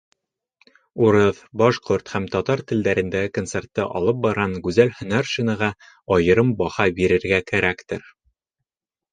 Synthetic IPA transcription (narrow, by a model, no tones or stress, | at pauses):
uɾɤðbɑʃqoɾt̪hæmt̪ɒt̪ɑɾt̪ɘ̆ld̪æɾɘ̆nd̪æɡɘkont̪se̞rt̪ːɤʔɒ̰lˠɤp̚bɑɾʁɑŋɡʉzælhɵ̆næɾʃinɤʁɑ | ɒjɤ̆ɾɤmbɒhɑbiɾɘ̆ɾɡækæɾækt̪ɘɾ